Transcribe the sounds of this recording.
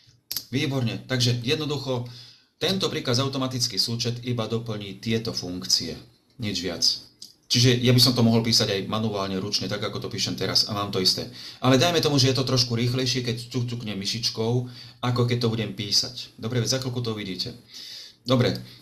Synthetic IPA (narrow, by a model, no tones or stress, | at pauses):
ʋiːbɔɾɲɛt̪aɡʒɛjɛd̪nɔd̪uxɔ | t̪ɛnt̪ɔpɾiːkazaʊt̪ɔmat̪it͡skiːsuːt͡ʃɛt̪ibad̪ɔpl̩ɲiːt̪ɪɛt̪ɔfuŋkt͡siɛ̰ | ɲɛd͡ʒʋɪa̰t͡s | t͡ʃiʒɛjabis̬ɔmt̪ɔmɔɦɔlpiːsaɟajmanuaːlɲɛɾut͡ʃɲɛt̪aɡakɔt̪ɔpiːʃɛmt̪ɛɾa̰za̰maːmt̪ɔist̪ɛ̰ːʔalɛd̪ajmɛt̪ɔmuʒɛjɛt̪ɔt̪ɾɔʃkuɾiːxlɛjʃɪɛkɛct͡sut͡sukɲɛmːiʃit͡ʃkɔʊakɔk̬ɛc̚t̪ɔbuɟɛmpiːsacd̪ɔbɾɛʋɛzakɔlkut̪ɔuʋiɟiːcɛ̰ | d̪ɔbɾɛ